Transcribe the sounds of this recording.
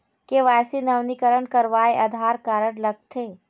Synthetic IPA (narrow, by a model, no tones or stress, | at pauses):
keʋaːsinɐʋnikəɾəɽkɐɾʋaːeʔɐd̪ʱaːɾkaːɾəɽ̃lɐɡ̚t̪ʰeː